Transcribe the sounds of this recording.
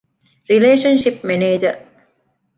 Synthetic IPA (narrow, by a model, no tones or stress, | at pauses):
ɾileːʃənʃipmɛneːd͡ʒə